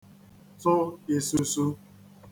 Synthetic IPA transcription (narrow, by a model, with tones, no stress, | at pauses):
sʊ˦e˨su˦su˦